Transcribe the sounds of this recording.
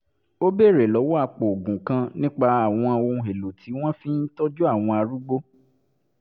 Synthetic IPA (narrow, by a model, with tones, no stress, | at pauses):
o˦be˦˨ɾe˨lɔ˨˦wɔ˦a˧k͡po˨ɡũ˨kã˧nĩ˦k͡pa˧a˦˨w̃ɔ̃˧õ˧ɦe˨lo˨tʰi˨˦w̃ɔ̃˦fĩ˦n̩˦tɔ˦d͡ʒu˦a˦˨w̃ɔ̃˧a˧ɾu˦ɡ͡bo˦